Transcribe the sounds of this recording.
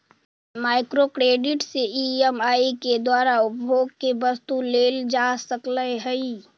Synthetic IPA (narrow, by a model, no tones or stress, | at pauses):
maːɪkɾokɾeːɖɪʈseiɛmaːiked̪waːɾaʊpbʱoːɡ̚kebəst̪uleːld͡ʒasəkləɦəi